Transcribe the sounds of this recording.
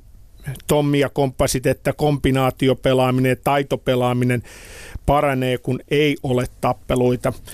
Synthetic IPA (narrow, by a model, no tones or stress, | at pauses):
t̪omːiɑkompːɑsit̪et̪ːækompinɑːt̪iopelɑːminejɑt̪ɑit̪opelɑːminenpɑrɑneːkuneiʔolet̪t̪ɑpːeloit̪ɑ